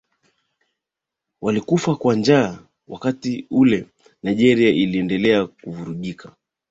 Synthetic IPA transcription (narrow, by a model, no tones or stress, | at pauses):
walikufakwand͡ʒaː | wʔakatiulɛ | najʄɛɾiaʔiliɛndɛlɛakuvuɾuʄikʰa